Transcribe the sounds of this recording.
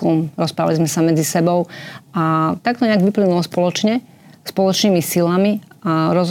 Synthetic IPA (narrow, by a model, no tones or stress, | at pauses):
umɾɔspɾaːʋalizmɛsamɛd͡zisɛbɔʊʔat̪ak̚t̪ɔɲɛaɡʋiplinulɔspɔlɔt͡ʃɲɛ | spɔlɔt͡ʃniːmisilamiaɾɔz